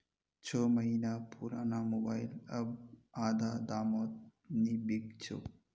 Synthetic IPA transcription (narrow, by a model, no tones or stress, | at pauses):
t͡ʃʰəːmɐɦinapʰuːɾaːnamobaːjlɐbaːd̪ʱaːd̪aːmoːt̪̚nibiɡt͡ʃʰo̰